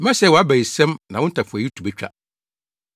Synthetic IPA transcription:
mã˦sɛ˦wɔ˨a˦bæ˨i˨sɛ̃˦mnã˨wʊ̃˦n̩˦tʰa˨fʊ˨æ˨ji˦tʰu˨bæ˦t͡ɕᶣa̰˦

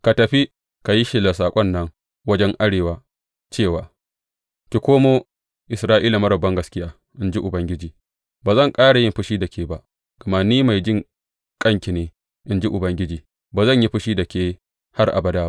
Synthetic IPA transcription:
ka˨tɐ˨ɸi˦ | ka˨ji˦ʃɪ˨la˨saː˨kʷʼɔ˦nːɐ˦ŋ | wɐ˦d͡ʒɛ˦ŋʔa˦ɽeː˨waː˦ | t͡ʃeː˦˨waː˦ | kʲi˨kʷoː˦moː˦ | ʔɪ˨sɾaː˦ʔiː˦la˨mɐ˦ɾɐ˨bːɐ˦ŋɡɐ˨skʲɪ˦jaː˦ | ʔɪ˦nd͡ʒi˦ʔʊ˨bɐ˦ŋɡʲɪ˦d͡ʒiː˨ | baː˨zɐ˦˨ŋkʼaː˦ɽa˨jɪ˦˨mɸʊ˦ʃiː˦da˨kʲʰeː˦ba˦ʔ | ɡ̥ɐ˨ma˦niː˦ma˨jd͡ʒɪ˦˨ŋ | kʼɐ˦ŋkʲi˨neː˨ | ʔɪ˨nd͡ʒi˦ʔʊ˨bɐ˦ŋɡʲɪ˦d͡ʒiː˨ | baː˨zɐ˦˨ɲji˦ɸʊ˦ʃiː˦da˨kʲeː˦ | ha˦rʔa̰˨bɐ˦daː˦

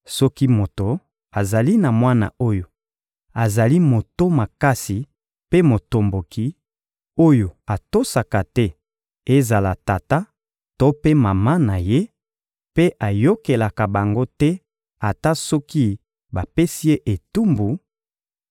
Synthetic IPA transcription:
sɔ˦ki˦mo˨to˨ | a˨za˨li˦na˨mwa˦na̰˨o˦jo˨ | a˨za˨li˦mo˨to˦ma˨ka˦si˨ | pe˦mo˨to˨mbo˨ki˨ | o˦jo˨a˨to˦sa˨ka˨tɛ˦ | e˦za˨la˨ta˨ta˦ | to˦pe˦ma˨ma˦na˨je˦ | pe˦ʔa˨jo˦ke˨la˨ka˨ba˨ŋɡo˦tɛ˦ | a˨ta˦sɔ˦ki˦ | ba˨pe˦si˦e˦ʔe˨tu˦mbu˨

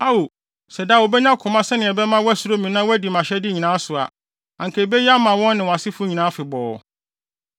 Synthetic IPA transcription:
a˦wo˨ | sɛ˨da˨wo˨bɛ˦ɲã˦kʰʊ̃˨mã˦sɛ˦nɪ̃˨ɛ˨bɛ˦mã˦wɔ˦æ˦su˦ɾo˦mĩ˨nã˦wæ˦di˨mã˨ɕɛ˦dɪ˦ɲĩ˨nãː˨˦sʊ˨a̰˨ | ã˨ŋ̩˨kʰe˨bɛ˦ja˦mã˨wɔ̃˦nː˦ɪ̃˨wa˨sɪ˦fʊ˦ɲĩ˨nãː˨˦fɪ˨bɔː˨

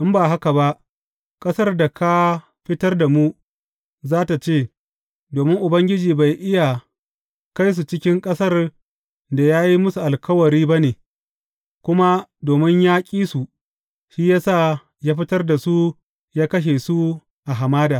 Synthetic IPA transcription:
ʔɪ˦mbaː˨ɦa˦ka˨ba˦ʔ | kʼɐ˦sɐ˦rda˨kʰa˦ | ɸɪ˦tɐ˦rda˨mu˦ | zaː˦ta˨t͡ʃeː˦˨ | doː˨mɪ˦ŋʔʊ˨bɐ˦ŋɡʲɪ˦d͡ʒiː˨ba˨jʔɪ˦ja˨ | ka˦js̬u˨t͡ʃɪ˦kʲɪ˦ŋkʼɐ˦sɐ˦r | da˨jaː˦ji˦mʊ˦su˨ʔa˨lkɐ˦wɐ˨ɾiː˦ba˦neː˨ | kʷʊ˦ma˦doː˨mɪ˦ɲjaː˦kʲʼiː˦su˨ | ʃiː˦jaː˦saː˦˨ | jaː˦ɸɪ˦tɐ˦rda˨su˦ | jaː˦kɐ˦ʃ̬e˨su˦ | ʔa˨ɦa˨maː˦daː˨

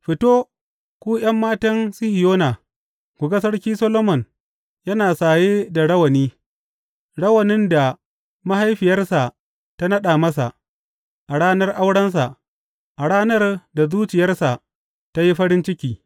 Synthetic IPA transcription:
ɸɪ˨toː˦ | kʷuː˦j̰ɐ˦mːaː˦tɐ˦nsɪ˦hɪ˨joː˦na˨ | kʷu˨ɡɐ˦s̬ɐ˦rkʲiː˦sɐ˦loː˦mɔ˨n | jɐ˦naː˨saː˨jeː˦da˨ɽɐ˦wɐ˨niː˦ | ɽɐ˦wɐ˨nɪ˦nda˨ | ma˦ha˦jɸɪ˨jɐ˦rsa˨ | ta˦nɐ˦ɗa˨mɐ˦s̬a̰˨ʔ | ʔa˨ɽaː˦nɐ˦rʔa˦wɽɐ˦ns̬a˨ʔ | ʔa˨ɽaː˦nɐ˦rda˨zuː˦t͡ʃɪ˨jɐ˦rsa˨ʔ | ta˦ji˦ɸɐ˦ɽɪ˦nt͡ʃɪ˦kʲiː˨

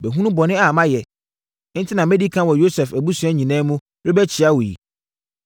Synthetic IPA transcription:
bɛ˨ɦũ˦nũ˦bɔ˨nɪ̃˦a˨mã˦jɛ˨ | n̩˦tʰɪ˦nã˨mɛ̃˦di˦kʰã˦wɔ˨jo˦sɛ˨fæ˨bu˦su˨˦ɛ˦ɲĩ˨nɛ̃ː˦mũ˦ | ɾɪ˦bɛ˦t͡ɕʰɪ˨a˦wɔ˨jḭ˨

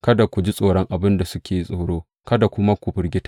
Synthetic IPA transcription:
kɐ˦da˨kʷu˨d͡ʒi˦sʼoː˨ɽɔ˦ŋʔa˨bɪ˦nda˨sʊ˦kʲeː˨ji˦sʼoː˨ɽoː˦ | kɐ˦da˨kʷʊ˦ma˦kʷʊ˨bɪ˦rɡʲɪ˦tḁ˦

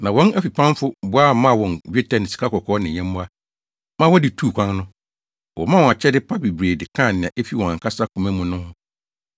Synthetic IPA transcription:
nã˨wɔ̃˦næ˦fi˨pʰã˦n˦fʊ˦bʊ˦a˦mã˦˨wɔ̃˨nɥᶣe˦tʰã˨nɪ˨si̥˨kʰa˦kʰɔ˨kʰɔː˨˦nɪ̃˨ɲɛ̃˦m˦bʊ̃˦a˦ | mã˦wɔ˦dɪ˨tʰuː˦˨kʷʰã˦ŋnʊ̃˦ | wɔ˨mã˦wɔ̃˨a˨t͡ɕʰɛ˦dɪ˦pʰa˦bi˨bɾeː˨dɪ˨kʰã˦˨nɪ̃˨ã˨ʔe˦fi˦wɔ̃˨ã˨ŋ˨kʰa˦sa˦kʰũ˨mɛ̃˦mʊ̃˨nʊ̃˦hʊ̃˦

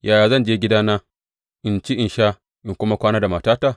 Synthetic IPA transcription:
jʔaː˨jaː˨zɐ˦˨nd͡ʒeː˦ɡʲɪ˦daː˦naː˦ | ʔɪ˨nt͡ʃi˦ʔɪ˨nʃa˦ | ʔɪ˨ŋkʷʊ˦ma˦kʷaː˦naː˦da˨maː˨taː˦ta˨

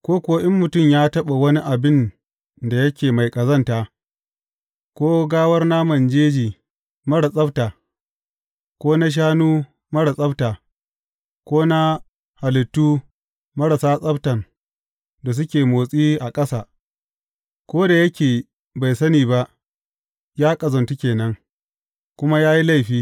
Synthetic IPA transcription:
kʷoː˦kʷʊ˨wa˦ʔɪ˦mːʊ˨tʊ˦˨mjaː˦tɐ˦ɓa˨wɐ˦ni˦ʔa˨bɪ˦n | da˨jɐ˦kʲeː˨ma˨jkʼɐ˨zɐ˦ntaː˨ | kʷoː˦ɡaː˦wɐ˦rna˦mɐ˨nd͡ʒeː˦d͡ʒiː˨ | mɐ˦ɽa˨sʼɐ˦btaː˨ | kʷoː˦na˦ʃ̬aː˦nuː˦ | mɐ˦ɽa˨sʼɐ˦btaː˨ | kʷoː˦na˦ | ha˨lɪ˨tːuː˦ | mɐ˦ɽɐ˨saː˦sʼɐ˦btɐ˨n | da˨s̬ʊ˦kʲeː˨moː˨sʼiː˦ʔa˨kʼɐ˦saː˨ | kʷoː˦da˨jɐ˦kʲeː˨ | ba˨jsɐ˦niː˨ba˦ʔ | jaː˦kʼɐ˨zɐ˨ntu˦kʲeː˨nɐ˦ŋ | kʷʊ˦ma˦jaː˦ji˦la˦˨jɸiː˦

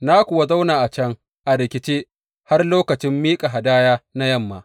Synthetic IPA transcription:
na˦kʷʊ˨wa˦za˦wnaː˨ʔa˨t͡ʃɐ˦ŋ | ʔa˨ɾɪ˨kʲɪ˦t͡ʃeː˦ | ha˦rloː˦kɐ˨t͡ʃɪ˦mːiː˦kʼa˨ɦa˨daː˦jaː˦na˦jɐ˦mːa̰ː˨ʔ

